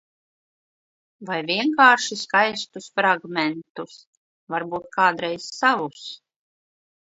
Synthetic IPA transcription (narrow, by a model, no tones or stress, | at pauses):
vajviɛŋkaːɾʃiskajst̪usfɾaɡmɛnt̪us | vaɾbuːt̪̚kʰaːd̪ɾɛjz̥savus